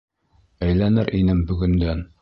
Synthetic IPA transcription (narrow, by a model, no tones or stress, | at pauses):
æjlænɘɾʔinɘmbɵ̆ɡɵ̆nd̪æn